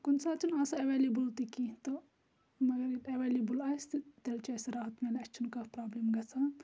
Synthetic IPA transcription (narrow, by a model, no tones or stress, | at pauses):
kunsat͡ʃʰunaːsɐɐʋeːlibult̪ikit̪o | mɐɡɐɾiɐʋelibulaːst̪it̪elt͡ʃʰɐsɐɾaɦɐt̪menɐt͡ʃʰunkɐpɾaːblimɡɐt͡sʰa